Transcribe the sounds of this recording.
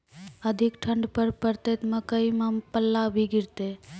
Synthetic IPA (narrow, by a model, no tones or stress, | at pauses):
əd̪ʱikʈʰəɳɖpəɾpəɾt̪et̪məkəimampəlːabʱiɡiɾt̪e